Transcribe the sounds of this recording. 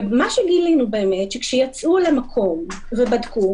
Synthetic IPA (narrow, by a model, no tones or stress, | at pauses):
maʃeɡilinube̞ːme̞tʃekʃejat͡sʔulamakʰo̞m | vebadku